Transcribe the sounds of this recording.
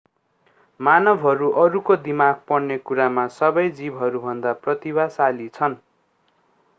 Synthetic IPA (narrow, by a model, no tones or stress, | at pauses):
manʌbʱɦʌɾuʔʌɾukod̪imaɡ̚pʌɽnekuɾamasʌbʌjd͡zibɦʌɾubʱʌnd̪aprʌt̪ibasalit͡sʰʌn